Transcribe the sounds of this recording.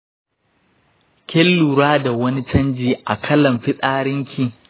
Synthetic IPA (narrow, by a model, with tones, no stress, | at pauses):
kʲɛ˦lːu˨ɾaː˦da˨wɐ˦ni˦t͡ʃɐ˦nd͡ʒiː˨ʔa˨kʰɐ˦lɐ˨mɸɪ˦sʼaː˦ɽɪ˦ŋkʲʰi˦˨